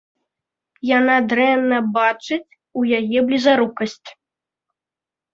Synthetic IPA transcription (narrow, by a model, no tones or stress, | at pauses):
janad̪ɾɛnːɐbat͡ʂɨt͡sʲ | ujajɛblʲizaɾukɐsʲt͡sʲ